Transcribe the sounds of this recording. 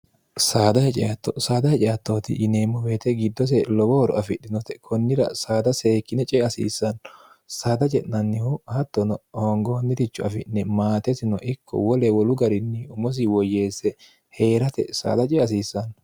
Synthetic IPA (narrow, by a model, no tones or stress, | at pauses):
saːd̪ɐhɛt͡ʃʼɛat̪ːɔsaːd̪ɐhɛt͡ʃʼɛjat̪ːoːt̪ɪ̰ʔːneːmːɔbeːt̪ɛɡɪd̪ːɔs̬ɛlɔbɔɔɾɔ̰ɐfɪɗːɪnɔt̪ɛkʰɔnːɪɾɐ̰saːd̪ɐse̞ːkːɪnɛt͡ʃʼɛɐsḭːsːɐn | saːd̪ɐt͡ʃʼɛʔnɐnːɪhʊhɐt̪ːɔnɔhoŋɡonːɪt̪ɪt͡ʃːɔɐfɪ̰nːɛmaːt̪ɛsɪnɔʔɪkʰːɔ̰wɔlɛwɔlʊɡɐɾɪnːɪʊmɔs̬ɪwɔjːe̞ːsɛ | he̞ːɾɐt̪ɛ̰sa̰ːd̪ɐt͡ʃʼɛɐs̬iːsːɐn